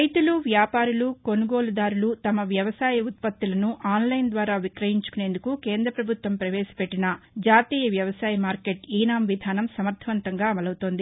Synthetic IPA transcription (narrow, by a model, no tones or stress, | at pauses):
ɐjt̪uluʋjaːpaːɾuluko̞nuɡo̞ːlud̪aːɾulut̪ɐmɐʋjɐʋɐsaːjɐut̪̚pɐt̪ːilɐnuʔaːnlɐjnd̪ʋaːɾaːʋikɾɐjiɲt͡ʃu̥kune̞ːnd̪ukukeːnd̪ɾɐpɾɐbʱut̪ʋɐmpɾɐʋɛːsɐ̥pe̞ʈːinɐd͡ʒaːt̪iːjɐʋjɐʋɐsaːjɐmaːɾke̞ʈiːnaːmʋid̪ʱaːnɐmsɐmɐɾt̪ʰɐʋɐnt̪ɐŋɡaːɐmɐlɐwut̪o̞ːnd̪i